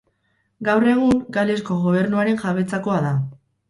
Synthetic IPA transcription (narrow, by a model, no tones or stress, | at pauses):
ɡawre̞ɣ̞uŋɡale̞sko̞ɣo̞β̞e̞ɾnuaɾe̞ŋʝaβe̞t͡sako̞aða